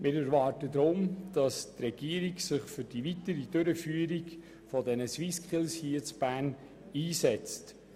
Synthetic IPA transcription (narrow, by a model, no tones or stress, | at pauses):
mʔɪɾæɾʋɑːrtəd̪ɾʊmd̥ɑstrɛɡ̥iəɾiɡsɪχfʏɾd̥ivitəɾidøɾəfyːəɾiɡ | fɔdɛnəswiskχɪlshiət͡sb̥æːn | iːsɛt͡st